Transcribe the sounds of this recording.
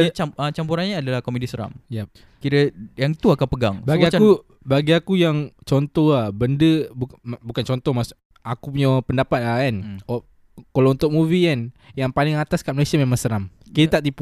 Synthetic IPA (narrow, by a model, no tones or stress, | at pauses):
t͡ʃaət͡ʃampuɾanɲaːdalahkomedisəɾa̰mjɛp̚ | kiɾəjaŋt̪uakanpəɡa̰ŋbaɡiau | baɡiakujaŋt͡ʃɔnt̪ɔhabəndəbumbukant͡ʃɔnt̪ɔhmas | akupuɲapəndapat̪̚aan | kalaunt̪ʊk̚muvianjaŋpalɪŋat̪askaʔməlisiamemaŋsəɾamiɾat̪aʔt̪ip